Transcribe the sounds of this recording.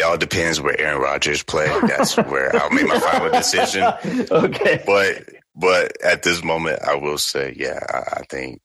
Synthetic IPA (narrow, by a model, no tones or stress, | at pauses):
ɔlˠdɨpʰɛ̃ndzwə̰˞ʔɛɹɨ̃nɹɑ̰d͡ʒə˞z̥pʰl̥eɪ̃ŋðæ̰tswə̰˞aɪlˠmeɪk̚mafãɪnl̩ˠdɨsɪʒɨ̃noʊkʰeb̥ʌt̚ | b̥ʌɾɨt̪̚ðɪs̬mõʊ̃mɨ̰̃nta̰ɪwɪlˠseɪjæ̰a̰ɪʔa̰ɪθɪ̰̃ŋk̚